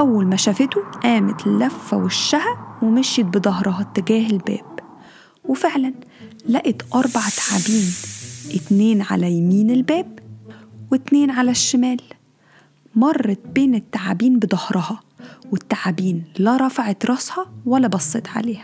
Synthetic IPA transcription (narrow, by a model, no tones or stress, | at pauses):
ʔæwːælmæʃæfet̪oʔæːmæt̪lːæfːæ̰weʃːæhæwemeʃjet̪̚bed̪ˤɑhɾˤɑhɑt̪ːeɡæːɦelbæ̰ːb̥ | wefeʕlæn | læʔet̪ʔɑɾˤbaʕt̪ḁʕabiːnʔɪt̪neːnʕa̰læjæmiːnelbæːb | wet̪neːnʕalæʃːɪmæːl | mɑrˤːɑt̪beːnet̪ːaʕa̰biːnbed̪ˤɑhɾˤɑhɑwet̪ːaʕabiːnlæɾˤɑfaʕet̪ɾˤɑshɑwælːæbɑsˤːet̪ʕa̰leːhæ̥